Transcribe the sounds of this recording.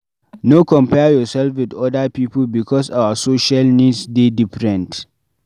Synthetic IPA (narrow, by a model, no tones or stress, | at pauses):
nokɔmpɛːjɔsɛlfwɪdɔdapiːpʊlbɪkʰɔsʔawasoːʃalnidsdedɪɸɾɛ̃nt